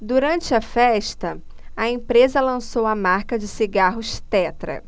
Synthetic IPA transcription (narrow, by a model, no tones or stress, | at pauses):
d̪uɾɐ̃nt͡ʃɪɐfɛʃt̪ɐ | ɐẽpɾezɐlɐ̃sowɐmaɾkɐd͡ʒɪsiɡaɦʊʃt̪ɛt̪ɾɐ̰